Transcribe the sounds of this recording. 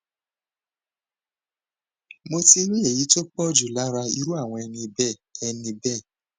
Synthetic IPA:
mo˧ti˧ɾi˦e˨ji˨˦to˦k͡pɔ˦d͡ʒu˨la˨˦ɾa˧i˧ɾu˦a˦˨w̃ɔ̃˧ɛ˧nĩ˧bɛ˦˨ɛ˧nĩ˧bɛ˦˨

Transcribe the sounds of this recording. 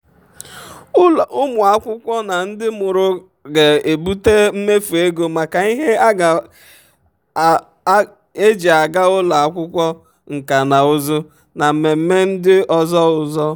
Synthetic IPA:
ʊ˦mʊ˨a˦kʷʊ˦kʷɔ˦na˨n̩˦dɪ˦mʊ˨ɾʊ˨ | ɡe˨e˨bu˦te˦m̩˦me˦fu˨e˦ɡo˨ma˨ka˨i˦ɦe˦ɡ | e˦d͡ʒi˨a˨ɡa˦ʊ˦la˨a˨kʷʊ˦kʷɔ˦ | ŋ̩˨ka˨na˨ʊ˦zʊ˦ | na˨m̩˨me˨m̩˦me˦n̩˦dɪ˦ɔ˨zɔ˦ʊ˨zɔ˦

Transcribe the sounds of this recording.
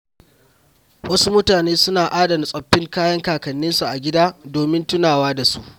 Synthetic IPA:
wʔɐ˦su˦mʊ˦taː˨neː˦sʊ˦naː˨ʔaː˦dɐ˨n˨sʼɐ˨ɸːɪ˦ŋkaː˦jɐ˦ŋkaː˨kɐ˨nːɪ˦nsu˨ʔa˨ɡʲɪ˦daː˦doː˨mɪ˦ntʊ˦naː˨waː˦da˨su˦ʔ

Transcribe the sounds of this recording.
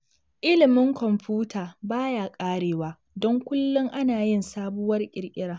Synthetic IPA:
ʔɪ˦lɪ˨mɪ˦ŋkʷɔ˨mɸuː˦taː˨baː˦jaː˨kʼaː˦ɽeː˨waː˦ | dɔ˦ŋkʷʊ˦lːʊ˦ŋʔa˦naː˨jɪ˦nsaː˦bʊ˦wɐ˦rkʲʼɪ˨rkʲʼɪ˦ɽaː˦

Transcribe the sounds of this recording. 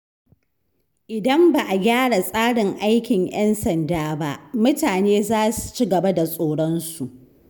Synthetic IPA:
ʔɪ˨dɐ˦mba˨ʔa˨ɡʲaː˦ɽa˨sʼaː˦ɽɪ˨ŋʔa˦jkʲɪ˨ŋjɛ˦nsɐ˨ndaː˦ba˦ʔmʊ˦taː˨neː˦zaː˦su̥˨t͡ʃi˦ɡɐ˨ba˦da˨sʼoː˨ɽɔ˦nsu˨ʔ

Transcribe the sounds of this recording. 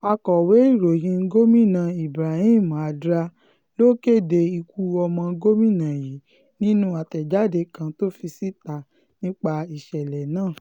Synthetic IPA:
a˧kɔ˨we˨˦i˦˨ɾo˨jĩ˧˦ɡo˦mĩ˦˨nã˨i˨bɾa˨hĩ˦˨m˨a˨dɾa˧˦ | lo˦ke˦˨de˧i˧ku˧˦ɔ˧mɔ̃˧˦ɡo˦mĩ˦˨nã˨ji˨˦ | nĩ˦nũ˦a˧tɛ˨d͡ʒa˨˦de˧˦kã˧to˦fi˧si˦ta˨ | nĩ˦k͡pa˧i˨ʃɛ˨lɛ˨nãː˦˨

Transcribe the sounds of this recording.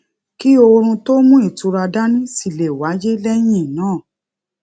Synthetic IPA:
ki˦o˧ɾ̃ũ˧to˦mũ˦i˦˨tu˧ɾa˧da˦nĩ˦si˦˨le˨wa˨˦d͡ʒe˦lɛ˦j̃ĩ˦˨nãː˦˨

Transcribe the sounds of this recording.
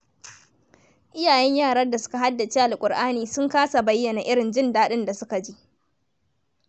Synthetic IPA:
ʔɪ˦jaː˨jɛ˦ɲjaː˦˨ɽɐ˦rda˨sʊ̥˦ka˨ɦa˦dːa˨t͡ʃeː˦ʔa˨lkʷʼʊ˨rʔaː˦niː˨sʊ˦ŋkaː˦sa˨bɐ˦jːɐ˨na˨ʔɪ˦ɽɪ˨nd͡ʒɪ˦ndaː˦ɗɪ˦nda˨sʊ˦ka˨d͡ʒi˦ʔ

